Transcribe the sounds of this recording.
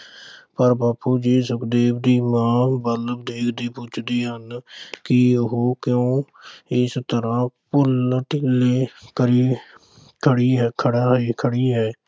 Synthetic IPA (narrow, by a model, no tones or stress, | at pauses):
pəɾbaːpuːd͡ʒiːsʊkd̪eːbd̪iːmãːbələbd̪eːkʰd̪eːpʊt͡ʃʰd̪eːɦənkɪʊɦoːkjõː | ɪst̪əɾãːpʊlʈɪleːkəɾiː | kʰəɽiːɦɛkʰəɽaːeːkʰəɽiːɦɛː